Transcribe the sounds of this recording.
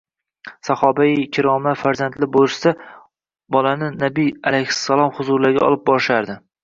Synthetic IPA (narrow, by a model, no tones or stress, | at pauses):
sahɒbaikʲʰɪɾɒmafaɾzant̪lɪbolˠɪʃsa | bɒlanɪnabijalajhɪ̥sːalˠɒmχʊzʊɾlaɾɡʲa̰ɒ̰lˠɪp̚bɒɾʃaɾd̪ɪ